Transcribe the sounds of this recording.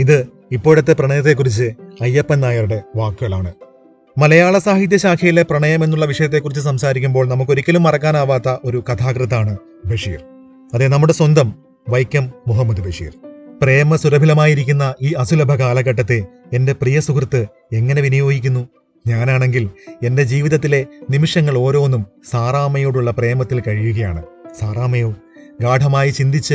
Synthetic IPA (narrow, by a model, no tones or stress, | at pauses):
iðɨ | ipːo̞ːiɽut̪ːeprɐɳɐjɐt̪̬ːe̞kːurit͡ɕːɨɐjːɐpːɐnːaːjɐɾuɽe̞ʋaːkːɨɣɐɭaːɳɨ | mɐlɐjaːɭɐsaːhit̪̬jɐɕaːkʰɐjileprɐɳɐjɐmenːuɭːɐʋiʂɐjɐt̪̬ːe̞kːurit͡ɕːɨs̬ɐmsaːɾikʲːumbo̞ːɭnɐmukːo̞ɾikʲːɐlumːɐrɐkːaːnaːʋaːt̪ːɐʔo̞ɾukɐt̪ʰaːkrɨt̪ːaːɳɨ | beʂḭːr | ɐðenɐmːuɽe̞swɐnd̪ɐm | ʋɐjkʲːɐmːuɦɐmːɐd̪ubʱeʂḭːrpre̞ːmɐsuɾɐbʱilɐmaːjiɾikʲːunːɐʔiːɐsulɐbʱɐkaːlɐɣɐʈ̬ːɐt̪ːe̞ | ende̞prijɐsukrɨt̪ːɨ | e̞ŋːɐne̞ʋinɐjo̞ːɡikʲːunːu | ɲaːnaːɳe̞ŋɡile̞nde̞d͡ʑiːʋiðɐt̪̬ːile̞nimiʂɐŋːɐɭo̞ːɾo̞ːnːumsaːraːmɐjoːɽuɭːɐpre̞ːmɐt̪ːilkɐɻijuɣɐjaːɳɨsaːraːmɐjoː | ɡaːʈʰɐmaːjit͡ɕind̪it͡ɕːɨ